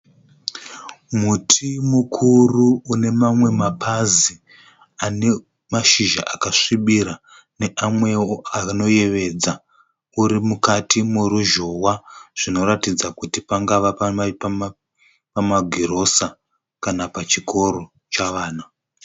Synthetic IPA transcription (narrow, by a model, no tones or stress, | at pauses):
mutʰimukʰuruːne̞mamwe̞mapʰazi | ane̞ | maʃiʒa̰ʔakaʂiɓiɾa | ne̞ʔamwe̞oano̞je̞ʋe̞d͡za | uɾimukatimuɾuʒowaʐ̥ino̞ɾatid͡zakutipaŋɡaʋappa | pamaɡʱiɾo̞sa | kanapat͡ʃikʰo̞ɾo | t͡ʃaʋaːna